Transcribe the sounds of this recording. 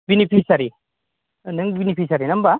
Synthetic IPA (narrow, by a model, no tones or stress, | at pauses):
binipʰisɐɾi | nəŋbinipisaɾinɐmba